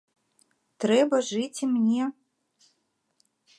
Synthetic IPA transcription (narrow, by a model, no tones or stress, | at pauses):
t̪ɾɛbɐʐɨt͡sʲimnʲɛ